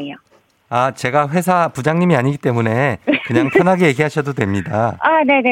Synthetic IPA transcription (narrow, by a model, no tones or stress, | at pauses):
o | at͡ɕe̞ɡaɸwe̞sʰapud͡ʑaŋɲimiaɲiɡit͈e̞mune̞kɯɲaŋpʰʌnɦaɡeje̞ɡiɦaɕʰʌdodwe̞mɲida̰ane̞ne